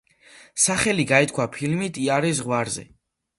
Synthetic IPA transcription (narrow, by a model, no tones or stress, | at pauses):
saχɛliɡaɛt̪̚ʰkʰwapʰilmit̪ʰiaɾɛzʁwaɾzɛ̰